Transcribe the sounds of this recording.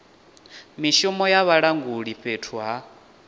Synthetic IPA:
miʃɔmɔjaβaɺaŋɡuɺiɸetʰuɦa

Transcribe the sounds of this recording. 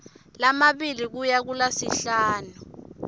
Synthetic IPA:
lamaɓilik̬ujak̬ulasiɬaːnu

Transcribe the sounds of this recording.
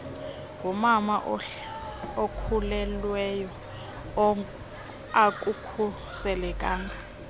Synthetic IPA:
ɡumamaʔ | okʰulɛlwɛjɔ | ak̬ʼukʰu | sɛlɛkʼaːŋɡʱa

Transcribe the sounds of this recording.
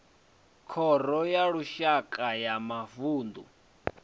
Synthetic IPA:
kʰɔɾɔjaɺuʃakʼajamavuːnd̪u

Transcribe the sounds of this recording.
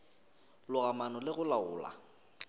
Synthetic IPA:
lʊɣamanɔlɪɣʊlaʊːla̰

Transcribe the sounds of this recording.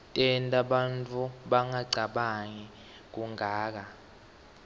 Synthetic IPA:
tʼɛntʼaɓantʼuɓaŋaɡ͡ǀʱaɓaŋi | k̬uŋʱaːk̬a

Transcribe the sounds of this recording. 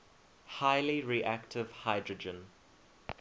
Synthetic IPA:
haɪliɹiʔæktʰɪv̥haɪdɹəd͡ʒə̃n

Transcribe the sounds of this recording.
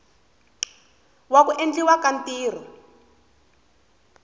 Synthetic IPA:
wakuʔend͡ɮiwakantiːr̤ɔ

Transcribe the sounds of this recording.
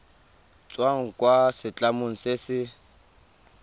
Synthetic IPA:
t͡sʼwaŋ̩kʼwasɪt͡ɬʼamʊŋ̩seːsɪ

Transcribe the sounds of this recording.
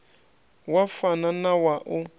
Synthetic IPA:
wafananawaʔʊ

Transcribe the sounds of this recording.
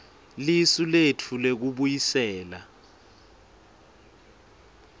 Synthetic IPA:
lisuletʰulek̬uɓujisɛːla

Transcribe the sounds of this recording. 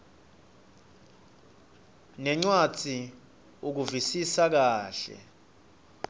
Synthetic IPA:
nɛŋ͡ǀwḁd͡z̥ʱi | uk̬uvisisak̬aːɬɛ̰

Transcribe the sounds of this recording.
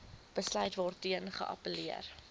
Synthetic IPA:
b̥əslœɥtvɔrtiənχə̰ʔɐ̰pəliər

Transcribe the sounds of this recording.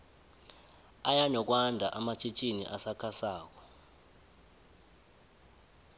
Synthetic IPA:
ajaɲɔk̬wandʱaʔamat͡ʃʰʼit͡ʃʼinḭʔasakʰasaːk̬ɔ̥

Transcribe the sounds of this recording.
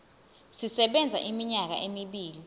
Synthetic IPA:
sisɛɓɛnd͡zʱa̰ʔimiɲak̬a̰ʔemiɓiːli

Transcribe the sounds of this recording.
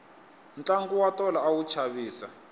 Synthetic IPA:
nt͡ɬʼaŋɡuwatɔlaawut͡ʃʰaβiːsa

